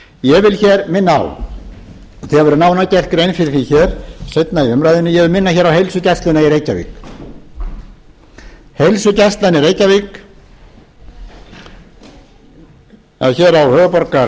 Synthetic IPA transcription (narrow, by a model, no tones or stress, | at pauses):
jɛvɪlçɛːɾmɪnːaa̰w | θiavɛɾʏnaːwnacɛr̥kʏɾejnfɪɾɪθiçɛɾ̥sejt̪naiʏmɾajðɪnːʏjɛɣvɪlmɪnːaçɛːɾawɦejlsʏcast̪lanaiɾejcavḭk | hejlsʏcast̪lanɪɾejcavik | a̰ðçɛːɾawhœːvʏpɔɾka